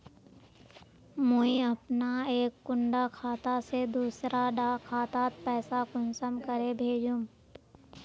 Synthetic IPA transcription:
mə̃iɐpnaeːkːʊ̃ɳɖakʰaːt̪ased̪uːsɾaɖaːkʰaːt̪aːt̪̚pɛːsakʊnsəmkəɾebʱeːd͡ʒũː

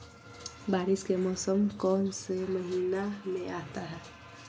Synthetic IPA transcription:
baːɾɪʃkemɔːsəmkɔːnsemɐɦiːnamẽʔaːt̪aɦɛː

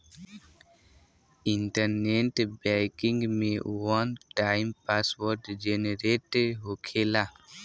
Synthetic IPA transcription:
ɪɳʈəɾneʈbɛkɪ̃ŋɡmẽwənʈaːɪmpaːswoɾʈd͡ʒeneɾeʈeɖɦokʰela

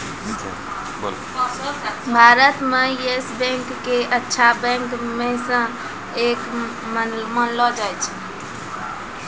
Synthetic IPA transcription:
ḭ | bə̰l | bʱaɾət̪mẽesbɛ̃ŋkːeʔətːʃʰabɛ̃ŋkmesə̃ | ek | mənmənlɔd͡ʒajt͡ʃʰɛ

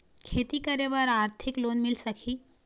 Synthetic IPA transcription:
kʰeːt̪ikɐɾeʋaɾaːɾt̪ʰɪkloːnmɪlsɐkʰiː

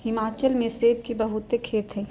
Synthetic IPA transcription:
hɪmaːt͡ʃəlmẽseːb̚kibɐɦʊt̪ekʰeːt̪ɦɛː

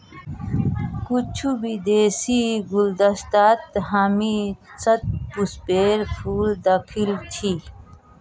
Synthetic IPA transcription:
kut͡ɕʰubid̪eːsiɡuld̪ɐst̪aːt̪ɦaːmit͡sɐt̪̚puspeːɾpʰuːld̪ɐkʰilt͡ɕʰi

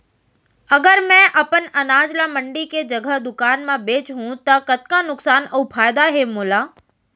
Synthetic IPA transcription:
ɐɡəɾmɛ̃ʔɐpənɐnaːd͡ʒlamɐ̃ɳɖiked͡ʒɐɡʱəɦd̪ʊkaːnmãbeːt͡ʃɦũt̪ɐkɐt̪kanʊksaːnəupʰaːjd̪aɦemoːlaː

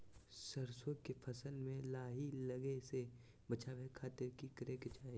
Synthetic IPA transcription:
səɾsõkepʰɐsəlmẽlaːɦilɐɡese | bɐt͡ʃʰabʱɛkʰaːt̪ɪɾkikɾeːkt͡ʃaːe

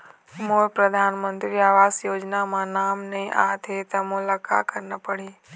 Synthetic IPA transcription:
mopɾəd̪ʱanmənt̪ɾiaʋasjoːd͡ʒnamãnaːmnəĩʔa̰t̪ʰet̪əmʊlaka̰kəɾnəpəɽi

